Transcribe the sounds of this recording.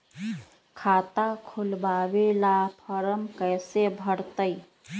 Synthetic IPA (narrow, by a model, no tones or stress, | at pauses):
kʰat̪akʰulbabelapʰəɾəmkəjsebʱəɽt̪əj